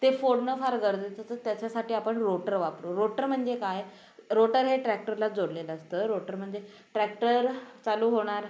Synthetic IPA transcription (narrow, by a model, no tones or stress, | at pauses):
t̪efoɽnəfaɾɡəɾd̪et̪ət̪ət̪jat͡ɕasaʈiːapəɳɾoʈəɾʋapɾoɾoʈəɾm̤əɳd͡zekaj | ɾoʈəɾɦeʈɾæk̚ʈəɾlad͡zoɽleləəst̪əːɾoʈəɾm̤əɳd͡ze | ʈɾæk̚ʈəɾt͡saluːɦoɽ̃aɾ